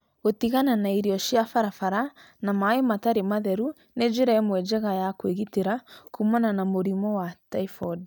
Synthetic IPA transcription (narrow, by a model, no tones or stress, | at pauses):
ɣotiɣananaiɾiɔɕjafaɾafaɾa | namaemataɾemaðɛɾu | ned͡ʒeɾamwɛd͡ʒɛɣajakweɣiteɾakumananamoɾimɔwataifɔd